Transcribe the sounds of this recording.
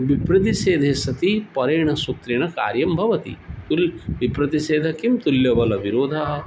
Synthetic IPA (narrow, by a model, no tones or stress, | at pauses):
ʋipɾɐt̪̬iʃeːd̪ʱeːsɐt̪ipɐɾeːɳɐsut̪ɾeːɳɐka̰ːɾjɐmbʱɐʋɐt̪ḭt̪ulʋipɾɐt̪iseːd̪ʱɐkimt̪uljɐʋɐlɐʋiɾoːd̪ʱɐɦɐ̆